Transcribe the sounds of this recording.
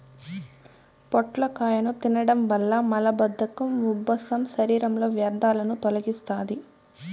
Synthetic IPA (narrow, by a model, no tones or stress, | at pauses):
pɔʈlɐkaːjɐnut̪inɐɽɐmʋɐlːɐmɐlɐbɐd̪ʱːɐkɐmubːɐsɐmʃɐɾiːɾɐmlo̞ːʋjɐɾd̪ʱaːlɐnut̪ɔlɐɡist̪aːd̪i